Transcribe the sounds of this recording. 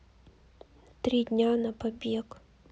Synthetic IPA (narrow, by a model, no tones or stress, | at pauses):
t̪ɾʲidʲnʲanɐpɐbʲek